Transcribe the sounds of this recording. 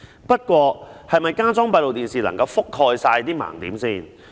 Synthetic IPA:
pɐ˥t̚kʷɔː˧hɐ˨jmɐ˨˩jkaː˥t͡sɔː˥ŋpɐ˧jlo˨wt̪iː˨nsiː˨lɐ̰˨˩ŋkɐ˧wfʊ˥kʰːɔː˧jsaː˧jt̪iː˥ma̰ː˨˩ŋt̪iː˨˥msiː˥˩n

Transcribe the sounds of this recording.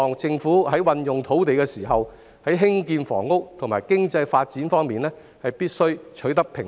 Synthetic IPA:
ɔː˨˩ŋt͡sɪ˧ŋfuː˨˥hɐ˨˥jwɐ˧njʊ˨ŋt̪ʰo˨˥wt̪e˨jkɛː˧siː˨˩ɦɐ˨w | hɐ˨˥jɦɪ˥ŋkiː˧nfɔ̰ː˨˩ŋːʊ˥k̚t̪ʰŋmaː˨˩jkɪ˥ŋt͡sɐ˧jfaː˧t̚t͡siː˨˥nfɔː˥ŋmiː˨nlɛː˥ | hɐ˨jpiː˥t̚sɵ˥ɥt͡ʃʰɵ˨˥ɥt̪ɐ˥k̚pʰɪ˨˩ŋ

